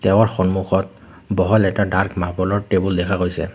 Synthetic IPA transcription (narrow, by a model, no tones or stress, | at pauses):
tɛw̃aɹxɔnmuxɔt̚ | bɔɦɔlɛtadaɹkmapɔlɔɹtebuldɛkʰakojsɛ̰